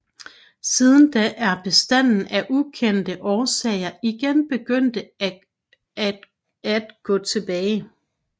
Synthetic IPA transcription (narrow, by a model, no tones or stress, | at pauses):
siːð̞ˠn̩d̥æʔæɐb̥e̝sd̥æn̰n̩æʔukʰen̰d̥əʔɒːsɛɪɐiɡ̥enb̥e̝ɡ̥øn̰d̥ə | æd̥ɡ̥ɔ̰̽ːt͡sʰe̝b̥ɛːɪ